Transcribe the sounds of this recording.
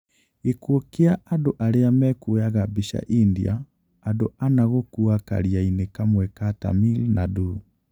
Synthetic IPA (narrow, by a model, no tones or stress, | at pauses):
ekwokeaadoʔaɾeamɛkojaɣabeʃa̰ʔindḭa̰ː | doanaɣokuaka̰ɾiainekamwɛkata̰milnadu